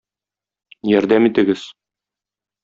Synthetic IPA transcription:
jɒɾd̪æmit̪ɘ̆ɡɘz̥

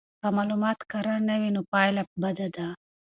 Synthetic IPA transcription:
amalumɑːt̪kɐɾanɐʋinupajlɐp̚bɐd̪ad̪a

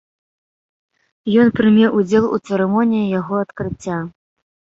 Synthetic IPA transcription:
jɔnpɾɨmʲɛwʔud͡zʲɛlˠṵt̪sɛɾɛmɔnʲijijaɣɔɐt̪kɾɨt͡sʲːa

